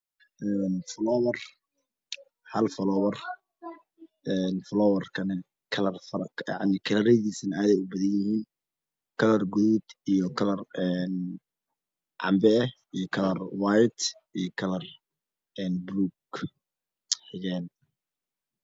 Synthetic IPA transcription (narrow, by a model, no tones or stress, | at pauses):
ʔɛnflɔːwɐr | hɐlfɐlɔwɐr | ʔɛːnfɔlɔːwɐrkʰɐnɛ | kʰlɐrfɐɾjɑ̰ʕnɪkʰɐlɐɾɛjðiːsɐnʔaːðɛjʊbɐðɐɲjɪhiːn | kʰɐlɐrɡʊðud̪ijɔkʰɐlɐrɛːn | ʕɑ̰mbɛɛ | ijɔkʰɐlɐrwajt̪ | ijɞkʰɐlɐr | ɛːnbɾuːɡ | ħɪjɛːn